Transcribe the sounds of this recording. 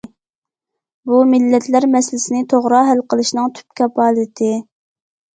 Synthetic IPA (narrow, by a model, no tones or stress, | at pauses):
bumɪlːɛt̪læɾmɛsɪlɪsɪnɪt̪ʰoʁɾɑɦælqəlˠɨʃnɨŋt̪ʰy̥p̚kʲʰɑpɑːlˠit̪ʰɪ